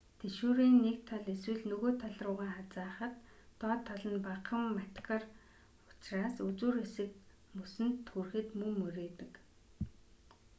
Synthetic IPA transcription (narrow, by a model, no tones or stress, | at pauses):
t̪ʰeʃuːɾiːnːekt̪ʰːɔɮeswɘ̆ɮnɵɣoːt̪ʰaɮrʊːʁiːχat͡saːχə̆t̪ː | ɔːt̪ʰːɔɮɞ̆npaqə̆mːat̪kə̆r | ʊ̥t͡ɕraːsɵt͡suːɾesɘ̆k | musɘ̆nt̪xurxɘ̆t̪mɵmɵɾeːt̪ɘ̆k